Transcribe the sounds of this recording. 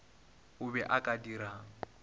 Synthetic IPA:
ʊbɛʔakʼadiɾaːŋ̩

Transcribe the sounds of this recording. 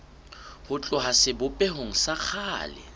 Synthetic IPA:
hʊt͡ɬʼʊɦasɪbʊpʼɛɦoŋ̩sak͡xʰaːlɪ̰

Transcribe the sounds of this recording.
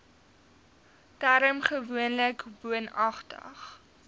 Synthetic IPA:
tæɾəmχəvuənləkbuənɐχtə̰χ

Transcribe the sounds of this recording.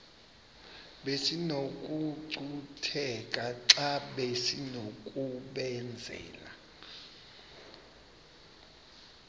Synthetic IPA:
ɓesinokʼuǀutʰɛkʼaǁaɓesinokʼuɓɛnd͡zʱɛ̰ːla̰

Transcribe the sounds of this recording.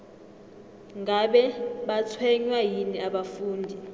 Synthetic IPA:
ŋɡaɓɛɓat͡sʰwɛɲwajiniaɓafuːndʱi

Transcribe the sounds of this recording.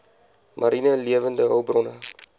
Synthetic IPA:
mʔɐɾinəliəvəndəɦəwbrɔnə

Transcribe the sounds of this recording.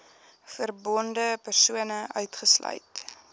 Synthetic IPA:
fərbɔndəpərsuənəʔœɥtχəslœ̰ɥt

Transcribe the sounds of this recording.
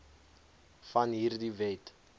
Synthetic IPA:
fɐnɦiːrdivɛt

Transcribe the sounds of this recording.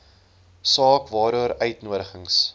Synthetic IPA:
sɑːkvɑːɾuəɾœɥtnuəɾəχəŋs

